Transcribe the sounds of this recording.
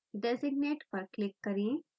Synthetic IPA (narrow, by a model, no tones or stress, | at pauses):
ɖesiɡ̚neʈpəɾklikːəɾĩ